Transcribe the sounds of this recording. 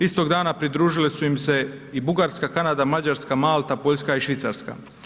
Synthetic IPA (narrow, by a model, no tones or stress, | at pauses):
ist̪o̞ɡd̪aːnapɾid̪ɾuːʒilesuimse̞ | ibuɡaɾskakanad̪amad͡ʑaɾskamaːlˠt̪apo̞ʎskaiʃʋit̪sa̰ɾska̰